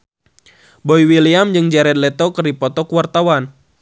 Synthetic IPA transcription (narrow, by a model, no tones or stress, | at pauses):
bɔiwiliamd͡ʒɨŋd͡ʒɛɾɛt̪̚lɛt̪ɔkɨrdipɔt̪ɔkuwart̪awan